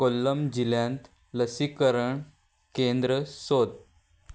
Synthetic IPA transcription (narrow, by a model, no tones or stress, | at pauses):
kolːəmd͡ʑiljãnt̪ | ləsikəɾəɳ | kẽnd̪ɾəsod̪̚